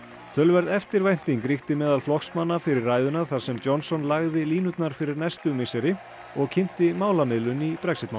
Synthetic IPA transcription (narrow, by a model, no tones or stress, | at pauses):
t̪ʰœlvɛɾðɛft̪ɪɾvajn̥t̪iŋkɾixt̪ɪmɛːðalflɔxsmanːafɪɾɪrːaːjðʏnaθaɾ̥sɛmt͡ɕɔnsɔnlaɣðɪliːnʏt̪naɾ̥fɪɾɪɾnɛst̪ʏmɪsɛɾɪ | ɔɣcʰɪn̥t̪ɪmaːwlamɪðlʏnipɾɛksɪt̪mawn